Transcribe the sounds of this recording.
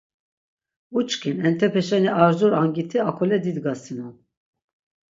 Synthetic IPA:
ut͡ʃkʰinɛnt̪ʰɛpʰɛʃɛniʔɑɾzuɾɑŋɡit̪ʰiakʰolɛd̪id̪ɡɑsino

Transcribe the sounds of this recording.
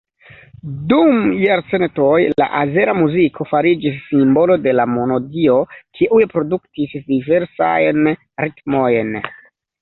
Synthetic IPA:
dumjaɾse̞nto̞jla̰ʔaze̞ɾamuzikʰo̞faɾid͡ʒisːimbo̞lo̞de̞lamo̞no̞dio̞kʰiʔujepɾo̞duktisdive̞ɾsa̰jn | ɾitmo̞jn

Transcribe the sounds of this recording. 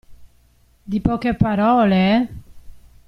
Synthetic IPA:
d̪ipɔkepaɾɔːle

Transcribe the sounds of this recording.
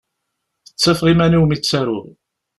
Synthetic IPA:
θə̥t͡sːæfʁimæniwmit͡sːæɾʊ̰ɾ

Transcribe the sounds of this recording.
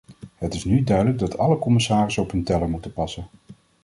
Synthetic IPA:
ɦətɪsnydœɥdələɡ̚dɑtʰɑləkɔmɪsaːrɪsɔpɦɵntɛləmutəpɑsən

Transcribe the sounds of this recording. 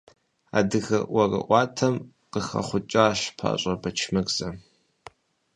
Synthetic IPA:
a̰dɨɣɐwɐrɨ̰ʔʷɑːtʰɐm | qəxɐ̰χʷʊt͡ʃʼaːɕpʰa̰ːɕʼɐbɐt͡ʃʰmɐkʼz̥ɐ

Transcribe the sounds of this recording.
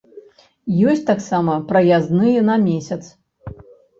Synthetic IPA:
jɔsʲt̪aksamɐpɾɐjaznɨjɛnɐmʲesʲɐt̪s

